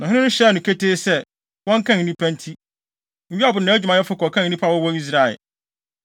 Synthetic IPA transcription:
nã˨ɦɪ̃˦ɪ̃˦nʊ̃˦ɕɛ˦˨nʊ̃˨kʰe˦tʰeː˦sɛ˦˨ | wɔ̃˦ŋ˦kʰã˦ŋ˨nĩ˦pʰæ̃˦ntʰi˦ | m̩˨˦i˦a˨bʊ˨nãː˨æ˦d͡ʑᶣmã˨jɛ˦fʊ˦kɔ˨kʰã˦ŋ˨˦nĩ˦pʰa˦˨wɔ˦wɔ˦i˦s̬ɾa˨ɛ̰˨

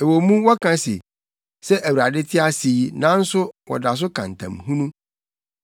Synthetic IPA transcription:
e˨wo˨mũ˦wɔ˦kʰã˦sḭ˨ | sɛ˦ʔæ˨wu˨ɾa˨dɪ˦tʰɪ˦a˦siː˨nã˦n̩˦sʊ˦wɔ̰˨da˨s̬ʊ˦kʰã˨n̩˨tʰã̰˨mhũ˦nũ˦

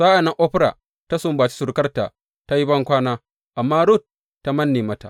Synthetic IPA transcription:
saː˦ʔa˨nːɐ˦ʔo˦ɸɾa̰˨ | ta˦sʊ˦mbaː˨t͡ʃi̥˦sʊ˨ɾkɐ˦rta̰˨ | ta˦ji˦bɐ˦ŋkʷaː˦naː˦ | ʔa˨mːaː˦ɾu˦˨t̚ː | a˦mɐ˦nːeː˨mɐ˦ta̰˨

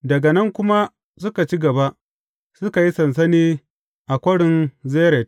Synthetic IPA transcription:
dɐ˨ɡa˨nɐ˦ŋkʷʊ˦ma˦ | sʊ˦ka˨t͡ʃi˦ɡɐ˨ba˦ʔ | sʊ˦ka˨ji˦sɐ˨ns̬ɐ˦niː˦ | ʔa˨kʷɐ˦ɽɪ˨nzeː˦ɾɛ˨t̚

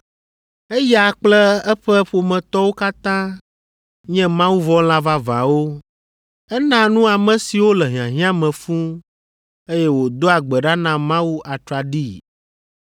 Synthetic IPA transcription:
e˦ja˨k͡plɛ˦ɛ˦ɸɛ˦ɸo˨mɛ̃˨t̪ɔ˦wo˦ka˦t̪ã˦ | ɲɛ̃˦mã˦wu˦vɔ˦l̃a˦va˦vã̰˨wo˦ | ɛ˦nã˦nũ˦a˨mɛ̃˨si˨wo˦lɛ˨ɦĩ˨ã˨ɦĩ˦ã˦mɛ̃˨fũ˦ | e˦jɛ˦wo˨d̪o˦a˨ɡ͡bɛ˨ɖa˦nã˨mã˦wu˦ʔa˨t̪ɾa˨ɖi˦˨

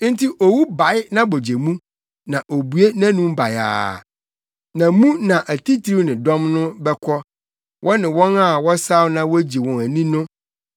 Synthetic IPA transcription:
n̩˦tʰi˦ʔo˨wu˦ba˨jɪ˦nã˦bo˨d͡ʑe˨mũ˦ | nã˨ʔo˨bu˨e˦nã˦nũ˦m˦ba˨ja̰ː˨ | nã˨mũ˦nã˨ʔæ˨tʰi˦tʰɾi˦nɪ̃˨dɔ̃˦mnʊ̃˦bɛ˦kʰɔ˦ | wʔɔ˦nɪ̃˨wɔ̃˦na˦˨wɔ˦sa˦wnã˦wɔ˦d͡ʑi˨wɔ̃˨næ˨nĩ˦nʊ̃˦

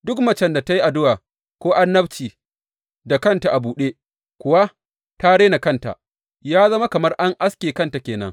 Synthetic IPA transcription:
dʊ˦kmɐ˨t͡ʃɛ˦nda˨ta˦ji˦ʔa˨dʊ˦waː˨ | kʷoː˦ʔa˦nːɐ˦bt͡ʃiː˨ | da˨kɐ˦nta˨ʔa˨buː˨ɗeː˦ | kʷʊ˦˨wa˦ | ta˦ɽeː˦na˨kɐ˦nta̰˨ | jaː˦zɐ˦ma˦kɐ˨mɐ˦rʔa˦ŋʔa˦skʲeː˨kɐ˦nta˨kʲeː˨nɐ̰˦ŋ

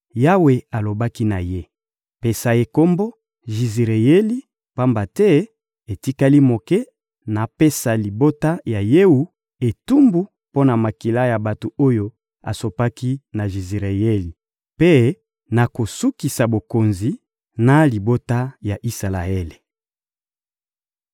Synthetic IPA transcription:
ja˦we˨a˨lo˨ba˦ki˦na˨je˦ | pe˨sa˨e˨ko˦mbo˦ | ʒi˨zi˨ʁe˨e˦li˦ | pa˦mba˨tɛ˦ | e˨ti˦ka˦li˦mo˨kɛ˦ | na˨pe˦sa˨li˨bo˦ta˦ja˨je˦u˦ | e˨tu˦mbu˦ | po˦na˨ma˨ki˨la˦ja˨ba˨to˨o˦jo˦ | a̰˨so˨pa˦ki˦na˨ʒi˨zi˨ʁe˨je˦li˨ | pe˦ | na˨ko˨su˦ki˨sa˨bo˨ko˨nzi˨ | na˨li˨bo˦ta˦ja˨ʔi˦sa˨la̰˨e˦le˨

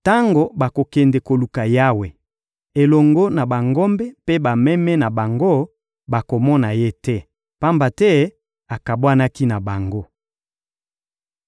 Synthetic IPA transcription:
ta˦ŋɡo˨ba˨ko˨kɛ˨nde˨ko˨lu˨ka˨ja˦we˨ | e˨lɔ˨ŋɡo˦na˨ba˨ŋɡɔ˦mbɛ˦pe˦ba˨mɛ˦mɛ˦na˨ba˨ŋɡo˦ | ba˨ko˨mɔ˦na˨je˦tɛ˦ | pa˦mba˨tɛ˦ | a˨ka˨bwa˦na˦ki˦na˨ba˨ŋɡo˦

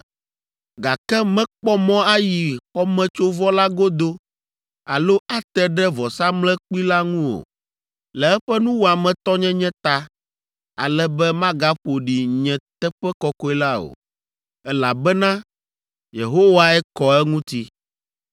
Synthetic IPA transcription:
ɡa˨kɛ˦mɛ̃˦k͡pɔ˦mɔ̃˦a˦ji˨ɸɔ˦mɛ̃˦t͡ʃo˦vɔ˦la˦ɡo˦d̪o˦ | a̰˨lo˦ʔa˦t̪ɛ˦ɖɛ˦vɔ˨sa˦mlɛ̃˦k͡pi˦la˦ŋũ˦o̰˨ | lɛ˨ɛ˦ɸɛ˦nũ˦wo˨a˨mɛ̃˨t̪ɔ˦ɲɛ̃˦ɲɛ̃˦t̪a˦ | a̰˨lɛ˦bɛ˦mã˦ɡa˦ɸo˨ɖi˨ɲɛ̃˨t̪ɛ˦ɸɛ˦kɔ˦kɔ˦i˦la˦o̰˨ | ɛ˦la˨bɛ˦nã˦ | je˨ɦo˦wa˦ɛ˦kɔ˨ɛ˦ŋũ˦t̪i˦

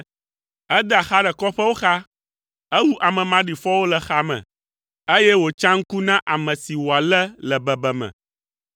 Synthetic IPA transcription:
ɛ˦d̪ə˦a˨xa˦ɖɛ˨kɔ˦ɸə˦wo˦xa˦ | ɛ˦wu˦ʔa˨mɛ̃˨mã˨ɖi˨fɔ˦wo˦lɛ˨xa˦mɛ̰̃˨ | e˦jɛ˦wo˨t͡ʃã˦ŋ̩˦ku˦nã˦ʔa˨mɛ̃˨si˨wo˨a˨lɛ˦lɛ˨bɛ˨bɛ˨mɛ̰̃˨

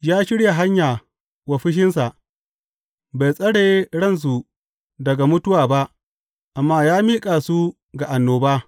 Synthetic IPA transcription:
jaː˦ʃɪ˦ɽja˨ɦa˦ɲjaː˨ | wɐ˨ɸɪ˦ʃ̬ɪ˦ns̬a˨ʔ | ba˨jsʼɐ˦ɽeː˨˦ɽɐ˦˨ns̬u˨ | dɐ˨ɡa˨mʊ˦tʊ˦waː˨ba˦ʔ | ʔa˨mːaː˦jaː˦miː˦kʼaː˨su˦ | ɡa˨ʔa˨nːoː˨baː˦

